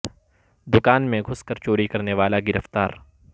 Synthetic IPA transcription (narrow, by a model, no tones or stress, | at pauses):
d̪ʊkaːnmẽɡʱʊskɐɾt͡ʃoːɾikɐɾneʋaːlaɡɪɾəft̪aːɾ